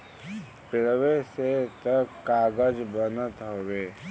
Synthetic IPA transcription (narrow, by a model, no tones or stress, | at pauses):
pɪɽweset̪əkaːɡəd͡ʒbənət̪ɦoːweː